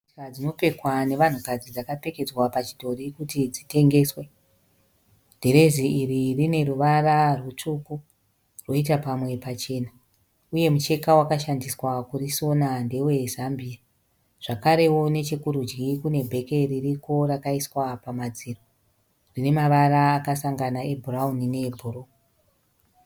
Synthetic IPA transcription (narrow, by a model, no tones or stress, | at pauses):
ad͡zino̞pe̞kwane̞ʋan̤ukad͡zid͡zakape̞ke̞d͡zwapat͡ʃi̥dʱo̞rikutid͡zite̞ŋɡe̞ːswe | dʱe̞ɾe̞ziːririne̞ɾuʋararwut͡ʂuku | rwo̞it̬apamwe̞pat͡ʃe̞ːna | uje̞mut͡ʃe̞kawakaʃandiswakuriso̞nande̞we̞zambia | ʐ̥akaɾe̞wo̞ne̞t͡ʃe̞kuɾud͡ʒɡikune̞bʱe̞ke̞ririko̞rakaiswapamad͡ziro | rine̞maʋaɾaːkasaŋɡanae̞bʱuraunine̞bʱuɾo